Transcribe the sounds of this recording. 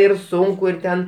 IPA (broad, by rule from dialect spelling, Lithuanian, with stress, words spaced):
ɪr ˈsʊŋkʊ ɪr ˈtʲɛn